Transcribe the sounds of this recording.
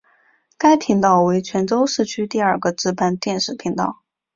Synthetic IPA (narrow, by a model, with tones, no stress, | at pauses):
ka˥ɪt̪ʰi˧˥ŋt̪ɑ˥˩ʊwe˧˥ɪt͡ɕʰɥɛ˧˥nʈ͡ʂo˥ʊʂɻ̩˥˩t͡ɕʰy˥t̪i˥˧ɐ˞˥˩ɡə˨ʈ͡ʂɻ̩˥pa˥˧nt̪jɛ˥˧nʂɻ̩˥˩t̪ʰi˧˥ŋt̪ɑ̰˥˩ʊ